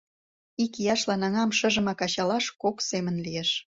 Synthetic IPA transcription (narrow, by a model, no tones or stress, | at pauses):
ikjɑʃlɑnɑŋɑmʃə̆ʒə̆mɑkɑɕɑlɑʃkoksemənlijeʃ